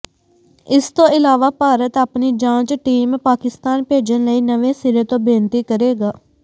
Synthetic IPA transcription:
ɪst̪õːɪlaːʋaːpaːɾət̪aːpniːd͡ʒãːt͡ʃʈiːmpaːkɪst̪aːnpeːd͡ʒənləiːnəʋẽːsɪɾeːt̪õːbɪːnt̪iːkəɾeːɡaː

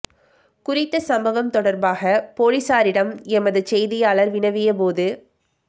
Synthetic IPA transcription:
kʊrɪt̪ːɐsɐmbɐʋɐmt̪ɔɽɐɾbaːɣɐpoːɻɪsaːɾɪɽɐmɛmɐðɯt͡ʃɛjðɪjaːlɐɾʋɪnɐʋɪjɐp̬oːðɯ

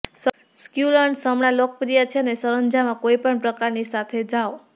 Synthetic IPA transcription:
s | skjuləɳsəmɳalok̚pɾijat͡ʃʰenesəɾənd͡ʒamãkoipəɳpɾəkaɾnisat̪ʰed͡ʒao

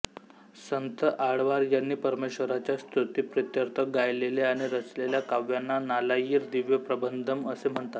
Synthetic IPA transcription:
sənt̪əʔaɽʋaɾjanːiːpəɾmeɕʋəɾat͡ɕjast̪ɾut̪iːpɾit̪jəɾt̪ʰəɡajleleaɽ̃iɾət͡sleljakaʋjanːanalajiːɾd̪iʋjəpɾəbənd̪ʱəməsem̤əɳt̪at̪

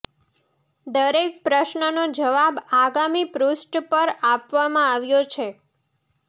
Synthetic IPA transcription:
d̪əɾek̚pɾəʃnənod͡ʒəʋabaɡamipɾusʈpəɾapʋamãaʋjot͡ʃʰe

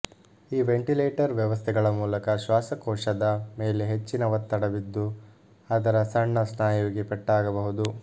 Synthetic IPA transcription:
iːʋeɳʈileːʈɐɾʋjɛʋɐst̪ʰɛɡɐɭɐmuːlɐkɐʃʋaːsɐkɔːʂɐd̪ɐme̞ːleɦet͡ʃːinɐʋɐt̪ːɐɽɐʋid̪ːu | ɐd̪ɐɾɐsɐɳːɐsnaːjuiɡipɛʈːaːɡɐbɐɦud̪u

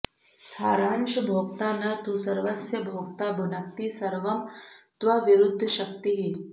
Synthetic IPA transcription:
saːɾaːnʃbʱok̚t̪anat̪usɐɾʋɐsjɐbʱoɡ̚t̪abʱunakt̪isɐɾʋɐmt̪ʋaʋiɾud̪ʱːəɕɐk̚t̪iɦi

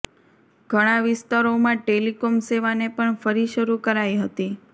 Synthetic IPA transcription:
ɡʱəɽ̃ãʋɪst̪aɾomãʈelikomseʋanepəɳfəɾiʃəɾukəɾajɦət̪i

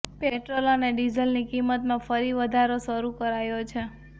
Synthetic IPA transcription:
peʈɾoloneɖizəlnikimːət̪mãfəɾiʋəd̪ʱaɾoʃəɾukəɾajot͡ʃʰe

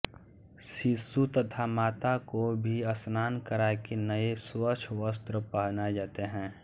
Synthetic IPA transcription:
ʃisut̪ət̪ʰamaːt̪akobʱiəsnaːnkəɾakenəeswət͡ʃʰʋəst̪ɾəpəɦnad͡ʒaːt̪eɦɛ̃ː

